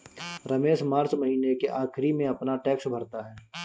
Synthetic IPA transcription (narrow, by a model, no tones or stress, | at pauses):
ɾɐmeːʃmaːɾt͡ʃmɐɦiːnekeʔaːkʰɪɾimẽɐpnaʈɛːksbʱɐɾt̪aɦɛː